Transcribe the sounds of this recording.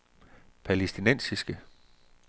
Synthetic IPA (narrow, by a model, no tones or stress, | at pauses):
pʰæle̝sd̥inen̰sisɡ̥ə